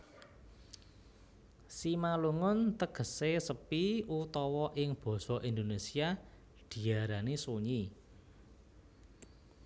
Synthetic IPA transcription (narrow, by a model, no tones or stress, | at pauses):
simaluŋʊnt̪əɡ̥ə̤sesəpiut̪ɔwɔʔɪŋb̥ɔ̤sɔʔind̪onesia | d̪̥i̤aɾanisuɲi